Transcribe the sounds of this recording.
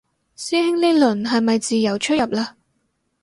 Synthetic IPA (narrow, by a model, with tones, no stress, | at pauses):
siː˥hɪ˥ŋle˥lɵ˨˩nɦɐ˨jmɐ˨jt͡siː˨jɐ˨˩wt͡ʃʰɵ˥jɐ˨p̚laː˧